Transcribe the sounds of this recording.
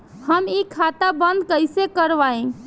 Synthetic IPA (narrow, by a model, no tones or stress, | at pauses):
həmikʰat̪abənd̪kəjsekəɾʋaẽ